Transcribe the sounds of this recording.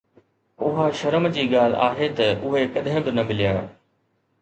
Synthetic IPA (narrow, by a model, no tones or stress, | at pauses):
ʊɦaʃɐɾəmd͡ʑiːɠaːl̤a̰ːɦet̪ɐʊɦekɐɗɦɪ̃bɪnɐmɪlijaː